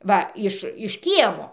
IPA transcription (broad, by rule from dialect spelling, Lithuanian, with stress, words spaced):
ˈʋɐ ˈɪʃ ɪʃ ˈkʲiɛmoː